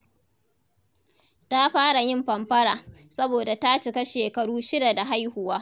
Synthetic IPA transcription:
ta˦ɸaː˦ɽa˨jɪ˦˨mɸɐ˨mɸɐ˦ɽaː˨sɐ˦boː˨da˨ta˦t͡ʃɪ˨ka˦ʃeː˨kɐ˨ɽuː˦ʃɪ˦da˨da˨ɦa˦jhʊ˨waː˦

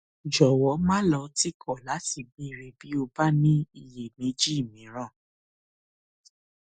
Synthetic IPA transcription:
d͡ʒɔ˨wɔ˨˦mã˦lɔ˧˦ti˦kʰɔ˦˨la˨˦ti˨bĩ˧˦i˧ɾe˧bi˨˦o˧ba˦nĩ˦i˧˨je˨mẽ˨˦d͡ʒi˦˨mĩ˨˦ɾ̃ã˦˨

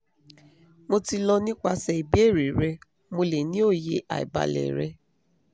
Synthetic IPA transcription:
mo˧ti˧lɔ˧nĩ˦kʷa˧sɛ˨i˨bi˦e˦˨ɾi˨ɾɛ˧ | mo˧le˨nĩ˦o˦˨je˧ʔa̰˨ḭ˨ba̰˨lɛ̰˨ɾɛ˧

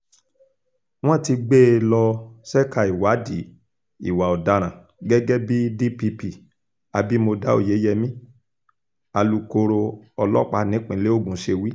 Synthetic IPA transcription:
w̃ɔ̃˦˨ti˧ɡ͡be˦˨lɔ˧sɛ˦ka˦˨i˨wa˨˦di˨˦ | ḭ˨wa˨ɔ˨da˧˦ɾ̃ã˨ | ɡɛ˦ɡɛ˦bi˦di˦pi˧pi˨ | a˧bi˦mo˧da˦o̰˦˨je˨˦jɛ˧mĩ˦ | a˧lu˧ko˧ɾo˧ɔ˧lɔ˦˨k͡pa˧nĩ˨˦k͡pĩ˨˦le˦o˦˨ɡũ˨˦ʃe˧wi˦

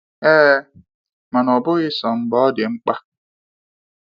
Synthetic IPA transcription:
eː˦ | ma˨nɔ˨bʊ˦ɣɪ˦sɔ˨ŋ͡m̩˨bɔ˦dɪ˨ŋ͡m̩˦k͡pa˦

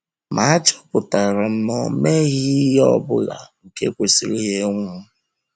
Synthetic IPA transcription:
mʔa˦a˦t͡ʃɔ̥˦pʊ˨ta˨ɾa˨m̩˦nɔ˨me˦ɣi˦jɔ˦bʊ̰˦la̰˨ŋ̩˨ke˦kʷe˨si˨ɾi˦ɣe˦ŋʷʊ˦

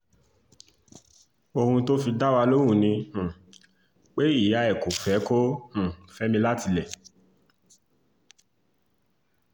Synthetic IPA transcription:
o˧hũ˧to˦fi˧da˦wa˧lo˦w̃ũ˦˨nĩ˧h̩˨ | k͡pe˦i˦˨ja˨˦ɛ˨ko˨fɛ˨˦ko˦h̩˨fɛ˨˦mĩ˧la˦ti˧lɛ˦˨

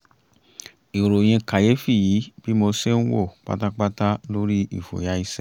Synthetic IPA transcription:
i˨ɾo˨j̃ĩ˧ka˨je˨˦fi˦˨ji˨˦b̥i˦mo˧se˦n̩˦wo̰˦˨k͡pa̰˦ta˦k͡pa˦ta˦lo˦ɾi˦ḭ˦˨fo̰˨ja˨˦i˦sɛ˦

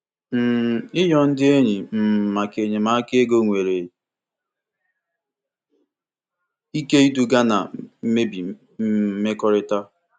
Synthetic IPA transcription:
m̩˨ɪ˦jɔ˦n̩˦dɪ˦e˦ɲi˨m̩˦˨ma˨ke˨ɲe˨ma˨˦ke˦e˦ɡo˦ŋʷe˨ɾe˨ | i˦ke˦i˦du˦ɡa˦na̰˨m̩˦me˦bi˨ | m̩˦me˦kɔ˦ɾɪ˦ta˦

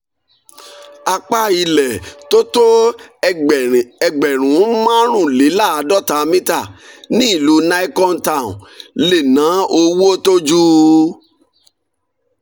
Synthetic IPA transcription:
a˧k͡pa˦i˧lɛ˨to˦to˦˨ | ɛ˧ɡ͡bɛ˨ɾ̃ũ˨˦mã˦ɾ̃ũ˦˨le˨˦la˦˨a˧dɔ˦˨ta˧mĩ˦ta˦˨nĩ˦i˦˨lu˨˦na˦i˦kɔ˦n̩˦ta˦˨ṵ̃˨le˨nã˨˦o˧wu˦o˦to˦d͡ʒu˦

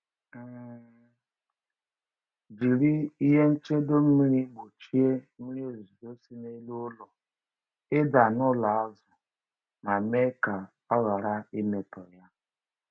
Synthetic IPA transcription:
d͡ʒi˨ɾi˦i˦ɦe˦n̩˦t͡ʃe˦do˦m̩˦mi˦ɾi˦ɡ͡bo˨t͡ʃi˦e˦mi˦ɾi˦e˨zu˨do˦si˦ne˦i˦lu˦lɔ˨ | ɪ˦da˨nʊ˦la˨a˦zʊ˨ | na˨me˦ka˨ | a˦ɣa˨ɾa˦i˦me˨tɔ˨ja˦

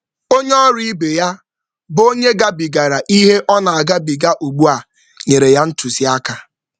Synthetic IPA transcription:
o˦ɲ˦ɔ˦ɾi˦i˦be˨ja˦ | bo˦ɲe˦ɡa˦bi˨ɡa˨ɾa˨ʔi˦ɦe˦ʔɔ˦na˨a˨ɡa˦bi˨ɡa˦ʔu˨ɡ͡bu˦a˨ | ɲe˨ɾe˨ja˦n̩˦tu˨si˨a˦ka˨

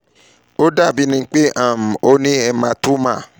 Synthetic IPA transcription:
o˦da˦˨bi˨˦nĩ˧˦k͡pe˦ʔã˦˨m̩˨o˦nĩ˦ɛ˧mã˧tu˦mã̰˦˨

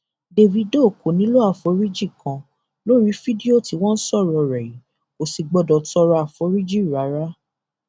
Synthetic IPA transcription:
de˧vi˧do˦˨ko˨nĩ˦lo˦a˦˨fo˨˦ɾi˦d͡ʒi˦˨kã˧ | lo˦ɾi˦fi˦di˦o˦˨ti˨˦w̃ɔ̃˦n̩˦sɔ˦˨ɾɔ˧˨ɾɛ˨i˨˦ | o˨si˨ɡ͡bɔ˧dɔ˨tɔ˧ɾɔ˧a˨fo˨˦ɾi˦d͡ʒi˦˨ɾa˨˦ɾa˦

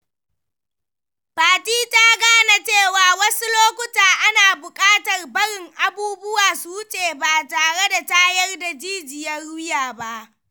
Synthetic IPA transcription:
baː˨tiː˦ta˦ɡaː˦na˦t͡ʃeː˦˨waː˨wɐ˦su˦loː˦kʷʊ˦taː˨ʔa˦naː˨bʊ˨kʼaː˦tɐ˨rbɐ˦ɽɪ˨ŋʔa˨buː˦bʊ˦waː˨suː˦t͡ʃʼeː˨baː˨taː˨ɽe˦da˨taː˦jɐ˦rda˨d͡ʒiː˦d͡ʒɪ˨jɐ˦rʊ˦jaː˨ba˦ʔ

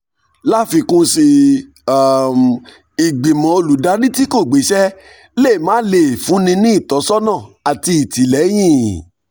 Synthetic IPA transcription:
la˦fi˧kũ˦si˧ | a˦˨m | i˨ɡ͡bi˨mɔ̃˨o˧lu˨da˨˦ɾi˦ti˦ko˦˨ɡ͡be˨˦ʃɛ˦ | le˦˨mãː˨˦le˨fũ˨˦nĩ˧nĩ˦i˦˨tɔ˨˦sɔ˦nã˦˨a˨ti˧i˨ti˨˦lɛ˨˦j̃ĩ˦˨

